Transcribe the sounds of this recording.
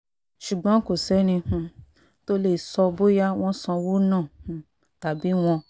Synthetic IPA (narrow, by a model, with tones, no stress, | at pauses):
ʃu˨ɡ͡bɔ̃˨˦ko˨sɛ˨˦nĩ˧hũ˧˨ | to˦le˧˨sɔ˧bo˦ja˦w̃ɔ̃˦sã˧wo˦nãː˦˨hũ˨ | ta˨bi˨˦w̃ɔ̃˧